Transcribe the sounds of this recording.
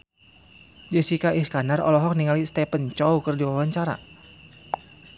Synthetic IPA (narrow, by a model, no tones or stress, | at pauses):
d͡ʒəsikaʔiskanarɔ̰lɔɦɔk̚niŋalist̪ɛpənt͡ʃɔukərdiwawaɲt͡ʃaɾa̰